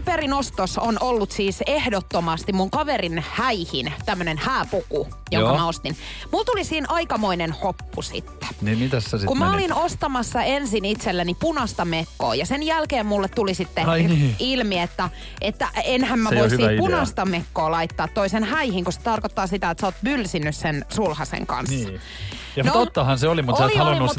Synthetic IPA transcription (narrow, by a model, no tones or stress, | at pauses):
perinost̪osonʔolːut̪siːsehdot̪ːomɑst̪immuŋkɑʋerinhæihint̪æmːønenhæːpuku | jo̰ŋkɑmæost̪in | mult̪ulisiːnɑikɑmoinenhopːusḭt̪ːe̥nimit̪æsːæskummæolinost̪ɑmɑsːɑensinit̪selːænipunɑst̪ɑmekːo̰ːjɑsenjælkeːmmulːet̪t̪ulisit̪ːeilmiet̪ːæ | ʔet̪ːæʔenhæmmæoisːipunɑst̪ɑmekːoːlɑit̪ːɑːt̪toisenhæihiŋkuse̥t̪ɑrkot̪ːɑːsit̪æet̪sæoːt̪̚mylsinːyssensulhɑsḛŋkɑ̰nsːɑ̥ | jɑnot̪ot̪ːɑhɑnseolimut̪osliɑluinumut̪